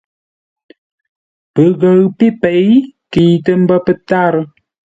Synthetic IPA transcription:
pə˨ɣə˨ɰpi˦pe˨˦jki˨tə˦m̩˦bə˦pə˦ta˦ɾ

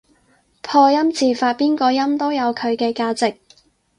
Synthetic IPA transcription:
pʰɔː˧jɐ˥mt͡siː˨˧faː˧t̚piː˥nkɔː˧jɐ˥mt̪o˥wjɐ˨˧wkʰɵ˨˧ɥkɛː˧kaː˧t͡sɪ˨k̚

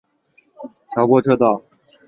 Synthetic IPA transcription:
t̪ʰjɑ˧˥ʊkwɔ˥˧ʈ͡ʂʰɤ˥˧t̪ɑ˥˩ʊ

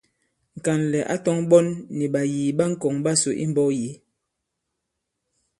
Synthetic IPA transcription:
ŋ̩˨ka˨nlɛ˨ʔa̰˦tɔ˦ŋɓɔ˦nːi˨ɓa˨jiː˨ɓa˦ŋ̩˦kɔ˨ŋba˦so˨ʔḭ˦m˦bɔ˦ji˨˦

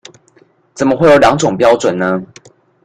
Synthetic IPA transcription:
t͡sə˨˩nmə˦xwe˥˩ɪjo˨˥ljɑ˧˥ŋʈ͡ʂo˨˩ŋpjɑ˥ʊt͡swə˨˩nnə˦

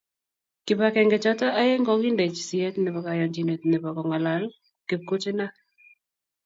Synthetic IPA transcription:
kɪ˨pa˨kɛ˨ŋɡɛ˨t͡ʃɔ˦ta˦ʔa˦je˦ŋɡɔ˦ki˦nde˨t͡ʃsi˨ɛ˦tne˨bɔ˨ka˨jɔ˨ɲd͡ʒi˨ne˨tne˨bɔ˨kɔ˨ŋa˨la˨˦l | ke˨p̚ko˦t͡ʃe˦na˦

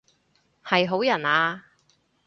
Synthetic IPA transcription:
hɐ˨jɦo˨˥wjɐ˨˩naː˧

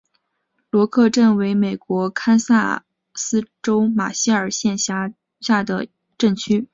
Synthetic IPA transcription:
lwɔ˧˥kʰɤ˥˧ʈ͡ʂə˥˩nwe˧˥ɪme˨˩ɪkwɔ˧˥kʰa˥nsa̰˥˩ | sɹ̩˥ʈ͡ʂo˥ʊma̰˨˩ɕi˥ə˞˨˩ɕjɛ˥˧nɕa˥˩ | ɕja˥˩d̪ə̰˩ | ʈ͡ʂə˥˩ŋt͡ɕʰy˥

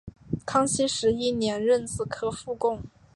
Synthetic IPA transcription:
kʰɑ˥ŋɕi˥ʂɻ̩˧˥i˥˩njɛ˧˥nɻə˥˧nt͡sɹ̩˥˩kʰɤ˥fu˥˧kʊ˥˩ŋ

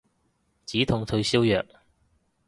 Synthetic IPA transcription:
t͡siː˨˥t̪ʰʊ˧ŋt̪ʰɵ˧ɥsiː˥wjœː˨k̚

